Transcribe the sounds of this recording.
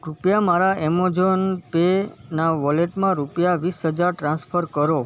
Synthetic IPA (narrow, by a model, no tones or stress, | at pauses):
ɾupjamaɾaʔɛmod͡ʒonpenaʋɔleʈmãɾupjaʋisɦəd͡ʒaɾʈɾãnsfʰəɾkəɾo